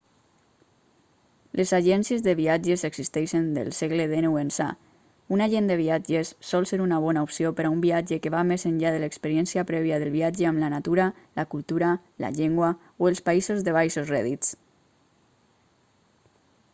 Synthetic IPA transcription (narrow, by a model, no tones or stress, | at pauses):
lʔezaʒɛnsiezðəβiad͡ʒezeɡz̥ist̪ɛʃend̪ə̰lˠseɣleðenuensa̰ | unaʒend̪əβiad͡ʒesːɔlˠseɾunaβ̞ɔnaupsiopəɾaumbiad͡ʒekeβamezəɲʎaðələekspəɾiɛnsiapɾɛβiaðəlˠβiad͡ʒeamlanat̪uɾalakulˠt̪uɾa | la̰ʎeŋɡwa | oelˠspaizozðəβ̞ajsozrɛ̰ðit͡s